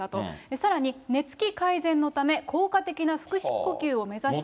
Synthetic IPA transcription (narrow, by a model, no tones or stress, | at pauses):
at̪o̞esaɾaɲ̟ine̞t͡sɨ̥kʲikaizẽ̞nːo̞t̪ame̞kʰo̞ːkat̪e̞kʲinaɸɯ̟̥kɯ̟ɕi̥kkːo̞kʲɨːo̞me̞zaɕi̥